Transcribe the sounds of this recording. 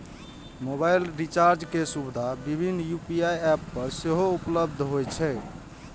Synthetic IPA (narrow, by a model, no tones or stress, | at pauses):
mobajlɾit͡ʃaɾd͡ʒkesubd̪ʱabibʱinːjupiajɛpːəɾseɦoupləbd̪ʱɦojt͡ʃʰɛ